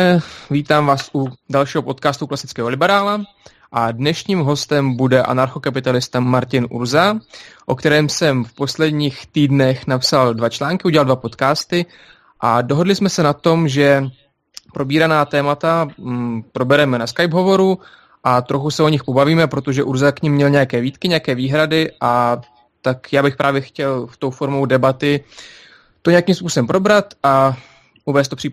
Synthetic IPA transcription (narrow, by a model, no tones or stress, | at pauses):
ɛviːt̪aːmvaːsʔudalʃiːɦopo̞t̪̚kaːst̪uklasɪ̥t͡skɛːɦo̞lɪbɛɾaːla | ʔadnɛʃɲiːmɦo̞st̪ɛmbudɛʔa̰naɾxo̞kap̬ɪt̪alɪst̪amaɾcɪnʔṵɾzaʔo̞kt̪ɛɾɛːmsɛmfpo̞slɛdɲiːxt̪iːdnɛxnapsaldvat͡ʃlaːŋkɪuɟʲɛlaldvapo̞t̪kaːst̪ɪ | ʔado̞ɦo̞dlɪsmɛsɛnat̪o̞mʒɛ | pɾʔo̞biːɾanaːt̪ɛːmat̪a | pɾo̞bɛɾɛmɛnaskajbɦo̞vo̞ɾu | ʔat̪ɾo̞xusɛʔo̞ɲɪxpo̞baviːmɛpɾo̞t̪o̞ʒɛʔuɾzakɲɪmːɲɛlɲɛjakɛːviːt̪kɪɲɛjakɛːviːɦɾadɪʔa | t̪akjaːbɪxpɾʔaːvjɛxcɛlft̪o̞wfo̞ɾmowdɛbat̪ɪ | t̪o̞ɲɛakiːmspuːso̞bɛmpɾo̞bɾat̪ʔa | ʔuvɛːst̪opr̥iː